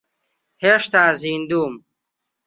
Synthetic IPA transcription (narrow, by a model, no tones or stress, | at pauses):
heʂt̪ãːziːnd̪uːm